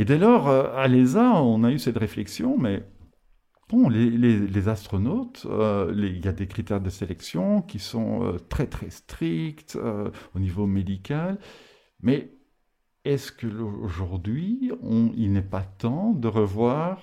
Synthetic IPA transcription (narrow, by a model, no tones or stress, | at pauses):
ed̪ɛlɔːʁøalezaɔ̃naysɛt̪ʁeflɛksjɔ̃mɛ | b̥ɔ̃lelelezast̪χɔnot̪øleiljad̪ekχit̪ɛʁd̪əselɛksjɔ̃kʲisɔ̰̃ø̰t̪χɛt̪χɛst̪χikt̪ø̰onivomed̪ikʲal | mɛ | ɛskəloʒuʁd̪ɥiɔ̃ilnɛpat̪ɑ̃d̪əʁəvwaːʁ